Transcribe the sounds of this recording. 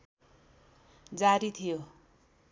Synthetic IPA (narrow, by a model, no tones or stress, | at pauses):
d͡zaɾit̪ʰijo